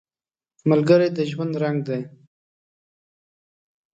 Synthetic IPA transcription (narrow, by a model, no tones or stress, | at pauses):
malɡəɾed̪əʒwand̪ɾaŋɡ̚d̪aj